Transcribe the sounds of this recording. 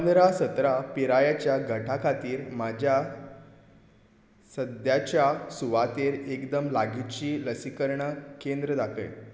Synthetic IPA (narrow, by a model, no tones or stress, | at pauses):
pənd̪ɾasət̪ɾapiɾajat͡ɕjaɡʱəʈʰakʰat̪iːɾmad͡ʑʱja | səd̪jat͡ɕjasuʋat̪eɾekd̪əmlaɡit̪t͡ɕiːləsikəɾɳəkend̪ɾəd̪akə̰j